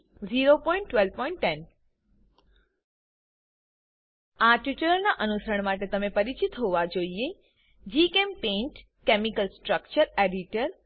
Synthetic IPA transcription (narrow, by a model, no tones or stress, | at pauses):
ziɾopɔ̃ĩɳʈːʋelpɔĩɳʈːɛn | aʈuʈəɾəlnaʔənusɾəɳmaʈet̪əmepəɾit͡ʃit̪ɦoʋad͡ʒoie | d͡ʒikempẽɳʈ | kemikəlsʈɾək̚t͡ʃəɾeɖiʈəɾ